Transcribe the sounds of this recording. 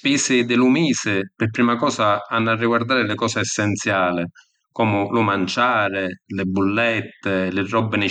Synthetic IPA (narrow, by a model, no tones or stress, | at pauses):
pɛːsɪd̪ɪlumiːsɪpɪrpɾiːmakɔːsaanːarːiɡward̪aːɾɪlɪkɔːsɪɛsːɛnt̪sjaːlɪ | kɔːmʊlʊmant͡ʃaːɾɪlɪbːulːɛt̪ːɪlɪrːɔbːɪnɪ